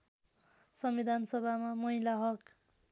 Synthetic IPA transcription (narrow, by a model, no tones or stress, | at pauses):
sʌmwid̪ʱansʌbʱamamʌɦilaɦʌk